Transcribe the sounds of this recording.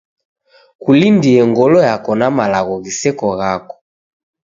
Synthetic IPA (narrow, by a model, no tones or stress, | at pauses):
kulindiɛŋɡɔlɔjakɔnamalaɣɔɣisɛkɔɣakɔ̥